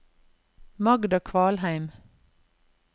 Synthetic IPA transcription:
mɑɡd̪ɑkʰʋɑːlhæɪm

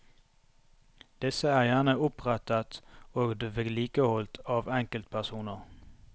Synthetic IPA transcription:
d̪̥ɪsəæːʁjæːʁnəʊpʁæt̪ət̪oːɡd̪ʋeliːkəhɔlt̪ʰɑːʋɛŋkəlt̪̚pʰæʁsuːnəʁ

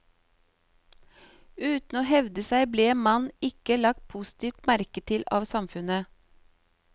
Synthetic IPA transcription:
ʉːt̪n̩oːhɛʋd̪əsæɪbleːmɑnɪkəlɑk̚t̪̚pʰust̪ʰiːʋt̪mæɾkət̪ʰɪlɑːʋsɑmfʉnə

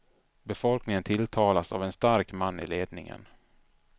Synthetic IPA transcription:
bɛfɔlknɪŋənt̪ʰɪlt̪ʰɑːlasa̰vɛnst̪aɾkmanːɪ̰leːd̪̚nɪ̰ŋə̰n

